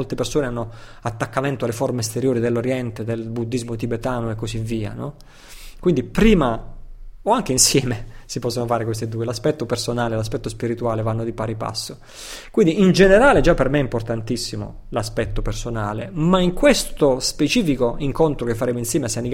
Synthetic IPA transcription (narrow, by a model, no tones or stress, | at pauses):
olt̪epersoːneanːo | at̪ːakːament̪oalːeformest̪eɾjoːɾid̪elːoɾjɛnt̪ed̪elbud̪ːizmot̪ibet̪aːnoekːosivːiːa̰nɔ̰ | kwind̪ipɾiːma | oaŋk̟einsjɛːmesipɔsːonofaːɾekwes̬t̪ed̪uːelaspɛt̪ːopersonaːlelaspɛt̪ːospiɾit̪uaːlevanːod̪ipaɾipa̰sːo | kwind̪iind͡ʒeneɾaːled͡ʒapːermeɛimport̪ant̪isːimo̰ | laspɛt̪ːopersonaːlḛmaiŋkwest̪ospet͡ʃiːfikoiŋkont̪ɾokefːaɾeːmoinsjɛːmeasːanik